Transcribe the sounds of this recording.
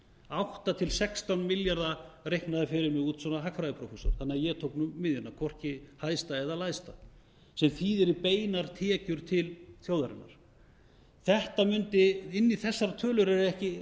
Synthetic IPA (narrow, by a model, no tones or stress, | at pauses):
awht̪at̪ʰɪlsɛkst̪awnmɪljaɾðarejhknaðɪfɪɾɪɾmɪɣuːt̪sɔnaɦakfɾajðɪpʰɾowfɛsɔ̰ɾ̥θanːɪajɛt̪ʰowknʏmːɪðjʏnːakʰɔr̥cɪhaðst̪aɛðalajst̪a | sɛmθiðɛɾipeːjnaɾ̥t̪ʰɛːcʏɾ̥t̪ʰɪlθjowðaɾɪ̰nːaɾ̥ | θɛht̪amʏnt̪ɪɪnːiθɛsːaɾat̪ʰœːlʏɾɛɾɛhcɪ